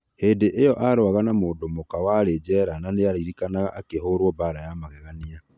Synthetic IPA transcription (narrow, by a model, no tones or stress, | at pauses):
heːndeʔejɔʔaɾoaɣanamoːndomokawaɾed͡ʒɛɾananeaɾiɾikanaɣaʔakeɦoɾwɔbaɾajamaɣɛɣania